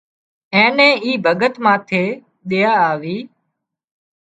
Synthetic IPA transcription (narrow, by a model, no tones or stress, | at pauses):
ɛ̃ːnɛ̃ːiːbʱəɡət̪mãːt̪ʰeː | ɗɪjaːaːʋiː